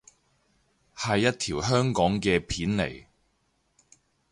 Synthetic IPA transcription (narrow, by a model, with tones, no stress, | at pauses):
hɐ˨jːɐ˥t̚t̪ʰiː˨˩wɦœː˥ŋkɔː˨˥ŋkɛː˧pʰiː˨˥nlḛ˨˩j